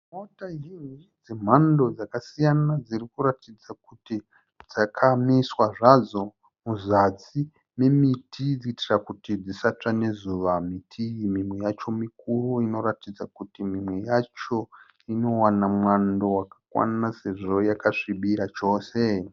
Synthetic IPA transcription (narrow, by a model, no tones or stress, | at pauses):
motaɦinid͡zem̤ando̞d͡zakasijanad͡zirikuɾatid͡zakuti | d͡zakʰamiswaʐazo̞ | muzat͡si | me̞mitʰid͡ziitirakutid͡zisat͡ʂane̞zuʋamitʰimimwe̞jat͡ʃo̞mik̚uruino̞ɾatid͡zakutimimwe̞jat͡ʃo̞ | ino̞wanamwando̞wakḁkwa̰nase̞ʐo̞jakaʂiɓiɾat͡ʃo̞ːse̞